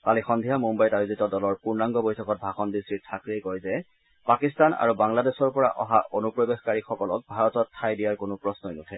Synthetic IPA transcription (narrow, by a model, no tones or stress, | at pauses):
palixɔnd̪ʱijamumbajtajuzitɔdɔlɔɹpuɹnaŋɡɔbojtʰɔkɔt̚bʱaxɔndistɹitʰakɹiejkɔjzɛ | pakistana̰ɹubaŋladesɔɹpɔɹa̰ʔɔ̰ɦaʔonupɹɔbexkaɹixɔkɔlɔk̚bʱaɹɔtɔtʰːajdijaɹkonʊpɹɔsnɔjnutʰɛ